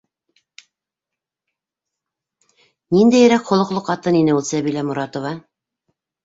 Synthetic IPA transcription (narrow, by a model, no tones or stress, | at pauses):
nind̪æjɘ̆ɾækχŏlˠɤ̆qlˠoqːɑt̪ɤninɘulˠsæβilæmuɾɑt̪ŏvɑ